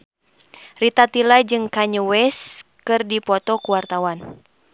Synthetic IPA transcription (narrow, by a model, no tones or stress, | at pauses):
rit̪at̪ilad͡ʒɨŋkaɲəwɛskɨrdipɔt̪ɔkuwart̪awan